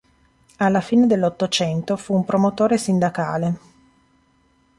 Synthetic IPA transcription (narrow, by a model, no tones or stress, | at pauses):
alːafiːned̪elːot̪ːot͡ʃɛnt̪ofuːmpɾomot̪oːɾesind̪aka̰ːle